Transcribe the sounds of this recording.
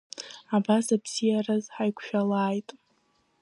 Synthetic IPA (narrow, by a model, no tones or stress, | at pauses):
abasabz̥ijarazħajkʷʰʃᶣalaːjtʼ